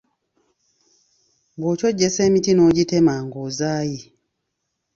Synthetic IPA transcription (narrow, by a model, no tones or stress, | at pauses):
bwoːcoɟːeseːmitinoɟitemaːŋɡozaːji